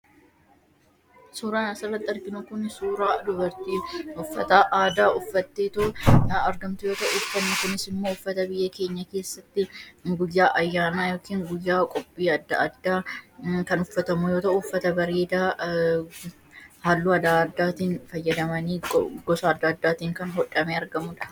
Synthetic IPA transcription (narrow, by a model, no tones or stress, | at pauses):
suːɾaːnɐsɐrːɐt̪ːɪɐɾkɪnʊkʊnsuːɾaːd̪ʊbɐɾt̪iːʊfːɐ̰t̪aʔaːd̪aːʔʊfːɐt̪ːeːt̪ʊʊɐɾɡɐmt̪ʊjo̞ːt̪ɐʔʊfːɐmʊkʊnɪsɪmːoːʊfːɐt̪ɐbɪjːɐke̞ːɲːɐke̞ːsːɐt̪ːɪɡʊjːaːʔɐjːaːnaːjo̞ːkiːŋɡʊjːaːkʼɔpʼːiːɐd̪ːɐ̰ʔɐd̪ːaːkɐnʊfːɐt̪ɐmʊjoːt̪ɐʔʊʊfːɐt̪ɐbɐɾeːd̪a | haːlːuːɐd̪aːd̪ːaːt̪iːnfɐjːɐd̪ɐmɐniːɡɔsaːɐd̪ːaːd̪ːaːt̪iːŋkɐnɦɔᶑɐmeːɐɾɡɐmʊᶑɐ̥